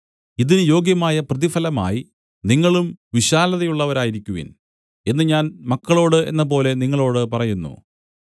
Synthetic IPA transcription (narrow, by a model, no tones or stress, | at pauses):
iðinɨjo̞ːɡjɐmaːjɐprɐðifɐlɐma̰ːji | niŋːɐɭumʋiɕaːlɐðɐjuɭːɐʋɐɾaːjiɾikʲːuʋḭn | e̞nːɨɲaːnmɐkːɐɭo̞ːɽɨe̞̰nːɐpo̞ːle̞niŋːɐɭo̞ːɽɨpɐrɐjunːṵ